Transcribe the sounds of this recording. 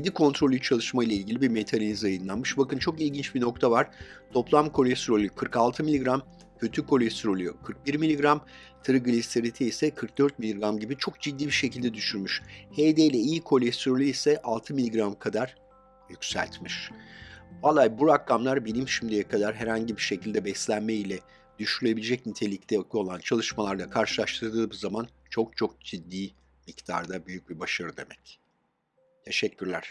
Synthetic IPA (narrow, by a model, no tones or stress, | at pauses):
ed̪ikʰo̞nt̪ɾo̞lʲyt͡ʃʰalˠɯʃmajlˠailʲɟʲilʲibiɾme̞t̪ʰannʲizajɯnlˠanmɯʃbakɯnt͡ʃʰo̞kilʲɟint͡ʃbino̞k̚t̪ʰavaɾ̥t̪ʰo̞plˠamkʰo̞lʲɛst̪ɾolʲykʰɯɾkalˠt̪ʰɯmilʲiɡɾam | cʰø̞t̪ʰykʰo̞lʲɛst̪ɾo̞lʲykʰɯɾk̚biɾmilʲiɡɾam | t̪ʰɯɾɯɡɯlʲist̪ʰeɾit̪ʰiisɛkʰɯɾk̚d̪øɾt̪̚milʲiɡɾamɟibit͡ʃʰo̞k̚d͡ʒid̪ːiːbiɾʃe̞cʰilʲd̪ɛd̪yʃyɾmyʃhed̪ejlʲɛijikʰo̞lʲɛst̪ɾo̞lʲyisɛʔalˠt̪ʰɯmilʲiɡɾamkʰad̪aɾ̥ | jycʲsæ̰lʲt̪miʃ | valˠajbuɾakːamlˠaɾbinʲimʃimd̪ejɛkʰad̪aɾɦæɾhaɲɟibiʃe̞cʰilʲd̪ɛbɛslʲænmeilʲɛ | d̪̥yʃyɾylʲe̞bilʲed͡ʒɛcnit̪ʰe̞lʲict̪ʰɛko̞lˠant͡ʃʰalˠɯʃmalˠaɾd̪ˠakʰaɾʃɯlˠaʃt̪ʰɯɾd̪ɯːɯːbzaman | t͡ʃʰo̞k̚t͡ʃʰo̞k̚d͡ʒid̪ːiː | mict̪ʰa̰ɾd̪abyjyc̚bibaʃaɾɯd̪e̞̰mɛc | t̪ʰe̞ʃɛcʰːyɾlʲæɾ̥